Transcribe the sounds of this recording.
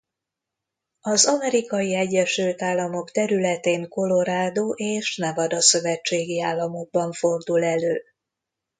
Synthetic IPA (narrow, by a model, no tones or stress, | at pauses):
ɒzɒmɛɾikɒjiɛɟːɛʃylt̪aːlːɒmo̞kt̪ɛɾylɛt̪eːŋko̞lo̞ɾaːd̪oːʔeːʃnɛvɒd̪ɒsø̞vɛt͡ʃːeːɡiaːlːɒmo̞ɡ̚bɒɱfo̞rd̪ulɛløː